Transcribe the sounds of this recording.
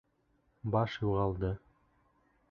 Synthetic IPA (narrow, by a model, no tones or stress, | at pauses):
bɑʃjuʁɑlˠd̪ɤ